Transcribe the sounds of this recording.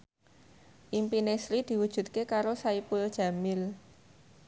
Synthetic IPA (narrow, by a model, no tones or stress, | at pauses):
ʔimpinesɾid̪̥i̤wud̥ʒ̥ṳt̪̚kekaɾosaipʊld̥ʒ̥ä̤mɪl